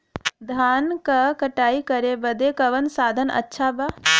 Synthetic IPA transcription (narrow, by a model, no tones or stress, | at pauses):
d̪ʱaːnkakɐʈaːikɐɾebɐd̪ekɐʋənsaːd̪ʱənɐ̰tːʃʰaba